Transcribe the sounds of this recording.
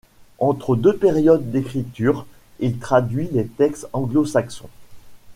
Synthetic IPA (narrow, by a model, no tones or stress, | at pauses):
ɑ̃t̪χəd̪øpeʁjɔd̪ːekχit̪yːʁ | ilt̪χad̪ɥilet̪ɛkst̪ɑ̃ɡlosaksɔ̰̃